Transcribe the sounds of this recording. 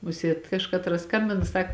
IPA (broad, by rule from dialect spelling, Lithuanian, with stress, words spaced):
ˈmʊsʲiɛt ˈkɑːʃkɐtrɐs ˈskɐmʲbʲɪnɐ ˈsɐk